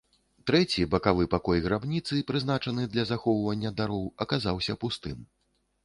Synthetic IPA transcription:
t̪ɾɛt͡sʲibɐkavɨpakɔjɣɾabnʲit̪sɨpɾɨznat͡ʂɐnɨd̪lʲɐzaxɔwvɐnʲːɐd̪aɾɔwɐkazawsʲɐpust̪ɨm

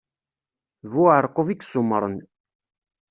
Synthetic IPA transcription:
vuʕəɾˤqoviksʊmːəɾˤən

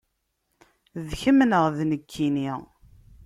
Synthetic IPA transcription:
ðçəmnəʁðnəkʰːini

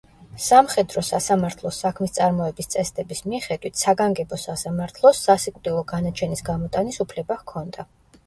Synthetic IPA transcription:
samχɛd̪ɾɔsasamaɾt̪ʰlˠɔsakʰmist̪sʼaɾmɔɛbist̪sʼɛsd̪ʼɛbismiχɛd̪wit̪ʰsaɡaŋɡɛbɔsasamaɾt̪ʰlˠɔsːasikʼd̪ʼilˠɔɡanat͡ʃʰɛnisɡamɔt̪ʼanisupʰlɛbahkʰɔnd̪a

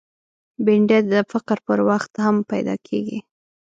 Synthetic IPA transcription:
bɪɳɖed̪əfaqɾpəɾwaxt̪hampajd̪ɑ̰kʰḛɡi

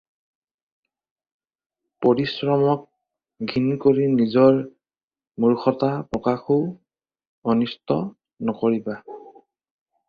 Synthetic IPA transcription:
poɹisɹɔmɔk̚ | ɡʱinkoɹinizɔɹ | muɹxɔtapɹɔkaxo | ɔnistɔ | nɔkoɹiba

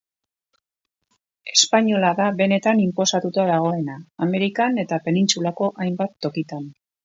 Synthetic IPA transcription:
e̞̥spaɲo̞laðaβe̞ne̞t̪animpo̞sat̪ut̪aðaɣ̞o̞e̞naːme̞ɾikane̞t̪ape̞nint͡sulako̞ʔajmbat̪ːo̞kit̪an

